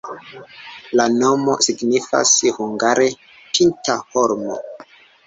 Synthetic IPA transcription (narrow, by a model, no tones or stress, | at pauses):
lano̞mo̞̰siɡnifa̰shuŋɡaɾe | pʰintahoɾmo̰